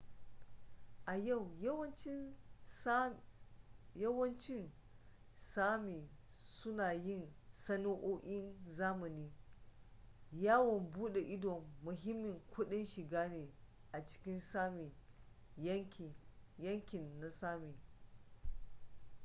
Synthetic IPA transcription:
ʔa˨ja˦˨wwɐ˦nt͡ʃ | jɐ˦wɐ˦nt͡ʃɪ˦n | saː˦miː˨ | sʊ˦naː˨jɪ˦˨nsɐ˦no˦ʔoː˦ʔʲɪ˦nzaː˦mɐ˨niː˦ | jaː˦wɔ˨mbuː˦ɗe˨ʔɪ˦dɔ˨mːʊ˨ɦɪ˦mːɪ˨ŋkʷʰʊ˦ɗɪ˦nʃɪ˨ɡaː˦neː˨ʔa˨t͡ʃɪ̥˦kʲɪ˦nsa˦m˨˦˨ | jɐ˦ŋkʲɪ˨nːa˨saː˦miː˨

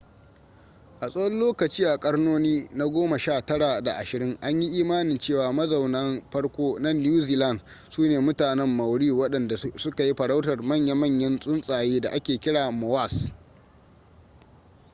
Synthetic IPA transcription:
ʔa˨sʼɐ˦ɔ˦lloː˦kɐ˨t͡ʃiː˦ʔa˨kʼɐ˦ɽnoː˦niː˦na˦ɡʷoː˦ma˨ʃaː˦˨tɐ˦ɽa˨da̰˨ʔa˨ʃɪ˨ɾɪ˦ŋʔa˦ɲji˦ʔiː˦maː˦nɪ˨nt͡ʃeː˦˨waː˨mɐ˦za˨wnɐ˦mɸɐ˦ɽkʷoː˦na˦nː˦uː˦ziː˦lɐ˦˨nd | suː˦neː˨mʊ˦taː˨nɛ˦mːɐ˨wɽiː˦wɐ˦ɗɐ˨nda˨sʊ˦ka˨ji˦ɸɐ˨ɽa˦wtɐ˨rmɐ˦˨ɲja˦mɐ˦˨ɲjɐ˦nsʼʊ˦nsʼaː˨jeː˦da̰˨ʔa˦kʲeː˨kʲɪ˦ɽaː˨mɔ˨wa˦˨s

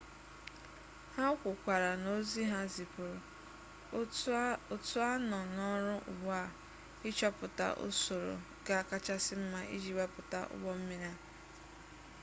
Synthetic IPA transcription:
ha˦kʷʊ˨kʷa˨ɾa˨no˦zi˦ɦa˦zi˨pʊ˨ɾʊ˨ | o˦tʊ˦a˦nɔ˨nɔ˦ɾʊ˦ʔʊ̰˨ɡ͡ba˦˨ | ɪ˦t͡ʃɔ˦pʊ˨ta̰˦ʔʊ̰˦so˨ɾo̰˨ | ɡa˨a˨ka˦t͡ʃa˦sɪ˦m̩˦ma˦ʔḭ˦d͡ʒi˦wa˦pʊ˨ta̰˦ʔʊ̰˦ɡ͡bɔ˦m̩˦me˦ɾi˦a˦˨

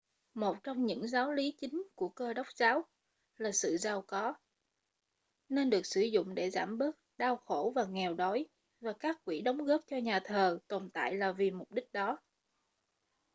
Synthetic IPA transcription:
mo˨˩t̚t͡ɕɔ˧wŋ͡mɲɨ̰˧˥ŋzaː˨˦wli˨˦t͡ɕï˨˦ŋ̟ku˧˩əkəː˧ɗə˦˥wk͡p̚zaː˨˦w | laː˨˩sɨ̰˧˨zaː˧wkɔ˨˦ | ne˧nɗɨ˨˩ək̚sɨ˧˩zʊ̰˧˨ŋ͡mɗe˧˩zaː˧˩mɓɨ˦˥k̚ɗaː˧wxo˧˩vaː˨˩ŋɛ˨˩wɗɔ˨˦j | vaː˨˩kaː˦˥k̚kwi˧˩ɗə˨˦wŋ͡mɣəː˦˥p̚t͡ɕɔ˧ɲaː˨˩t̪ʰəː˨˩t̪o˨˩nt̪a̰ː˧˨jlaː˨˩vi˨˩mʊ˨˩k͡p̚ɗï˦˥k̟̚ɗɔ˨˦

